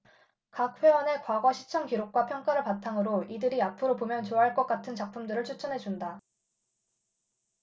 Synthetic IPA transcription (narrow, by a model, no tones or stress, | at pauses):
kak̚ɸwe̞wʌne̞kwaɡwʌɕʰi̥t͡ɕʰʌŋkiɾok̚k͈wapʰjʌŋk͈aɾɯɭpatʰaŋɯɾoidɯɾiapʰɯɾopomjʌnt͡ɕoaɦaɭk͈ʌk͈atʰɯnt͡ɕak̚p͈ʰumdɯɾɯɭt͡ɕʰut͡ɕʰʌnɦe̞d͡ʑunda